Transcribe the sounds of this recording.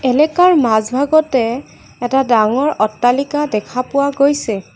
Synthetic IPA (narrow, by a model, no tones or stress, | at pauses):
ɛlɛkaɹmazbʱaɡɔtɛː | tadaŋɔɹɔtːalikadɛkʰapʊwaɡojsɛ